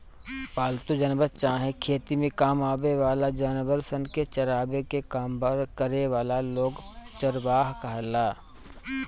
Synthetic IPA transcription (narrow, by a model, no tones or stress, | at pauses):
paːlt̪ud͡ʒənbəɾt͡ʃaːɦẽkʰeːt̪imẽkaːmaːbeʋaːlad͡ʒanbəɾsənket͡ʃəɾaːbekekaːmbɾkəɾeʋaːlaloːɡt͡ʃəɾʋaːɦkɐɦlaː